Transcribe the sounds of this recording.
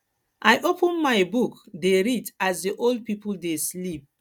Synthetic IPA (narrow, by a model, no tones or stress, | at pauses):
ʔajʔopʰə̃nmaɪbukdeɹitasdiʔold̚pipuldeslip̚